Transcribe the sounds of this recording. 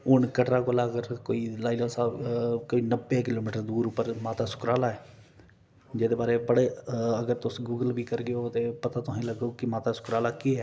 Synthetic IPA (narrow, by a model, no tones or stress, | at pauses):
ʊɳkəʈɾaːkolaːəɡəɾkoːiːlaːiloːsaːkoːiːnəbek̬ɪloːmiːʈəɾd̪uːɾʊpːəɾmaːt̪aːsʊ̥kɾaːlaːɛː | d͡ʒeːd̪eːbaːɾeːbəɽeːəɡəɾt̪ʊsɡuːɡəlbiːkəɾɡɪoːt̪eːpət̪aːt̪ʊãĩləɡoːkɪmaːt̪aːsʊ̥kɾaːlaːkiːɦɛː